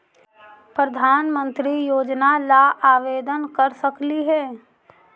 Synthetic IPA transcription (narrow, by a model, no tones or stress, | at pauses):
pɾəd̪ʱaːnmə̃nt̪ɾijoːd͡ʒnalaʔaːʋeːd̪ənkəɾsəkliɦɛː